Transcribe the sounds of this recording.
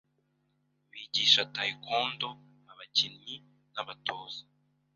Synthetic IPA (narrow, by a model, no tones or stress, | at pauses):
βiɟiːʃatajikoːndo | naβacinɲi | naβatoːz̥ḁ